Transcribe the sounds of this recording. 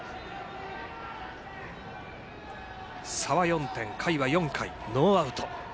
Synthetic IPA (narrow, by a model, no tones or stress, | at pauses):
saβajõ̞nt̪ẽ̞ŋkʰaiβajõ̞ŋkʰaino̞ːaɯ̟t̪o